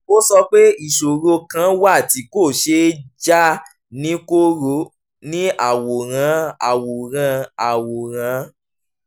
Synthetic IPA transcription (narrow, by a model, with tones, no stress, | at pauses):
o˦sɔ˧k͡pe˦i˦˨ʃo˨ɾo˧kã˦wa˦˨ti˧˦ko˦˨ʃe˧˦d͡ʒa˦ | nĩ˦ko˦ɾo˧ | nĩ˦a˦˨wo˨ɾ̃ã˨˧˦a̰˨wo˨ɾ̃ã˧a˨wo˨ɾ̃ã˨˧˦